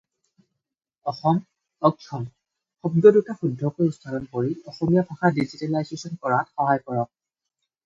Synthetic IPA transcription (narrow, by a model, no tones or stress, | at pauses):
ɔxɔm | ɔɡ̚sʰɔm | xɔbdɔdutaxudʱːɔkojustʰaɾɔnkoɹiɔxɔmijabʰʱaxadizitɛlajzesɔnkɔɹatxɔɦajkɔɹɔk̚